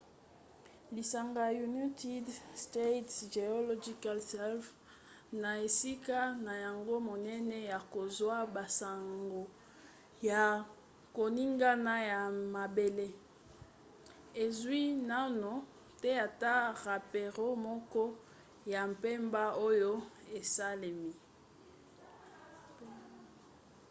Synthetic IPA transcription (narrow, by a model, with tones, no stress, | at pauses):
li˨sa˨ŋɡa˨ju˨ni˦ti˦dste˦tʒe˨o˦lo˦d͡ʒi˦ka˦lsɛ˦lf | na˨e˨si˦ka˦na˨ja˨ŋɡo˦mo˨nɛ˦nɛ˦ja˨ko˨zwa˦ba˨sa˨ŋɡo˨ | ja˨ | ko˨ni˦ŋɡa˦na˦ja˨ma˨be˨le˦ | e˨zwi˦na˦no˨ | tɛ˦a˨ta˦ʁa˨pe˨ʁo˦mɔ˦kɔ˦ | ja˨m˨pe˦mba˦o˦jo˦e˨sa˦le˨mi˨